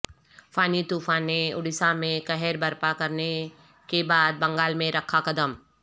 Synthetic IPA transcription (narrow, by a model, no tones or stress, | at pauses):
fʰaːnit̪uːfãːneʊɽɪsamẽkɐɦɛɾbɐɾpakɐɾne | kebaːd̪̚bɐ̃ŋɡaːlmẽɾɐkʰːakɐd̪əm